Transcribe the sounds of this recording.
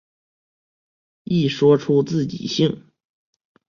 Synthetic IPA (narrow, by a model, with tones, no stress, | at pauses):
i˥˩ʂwɔ˥ʈ͡ʂʰu˥t͡sɹ̩˥˩t͡ɕḭ˨˩ɕi˥˩ŋ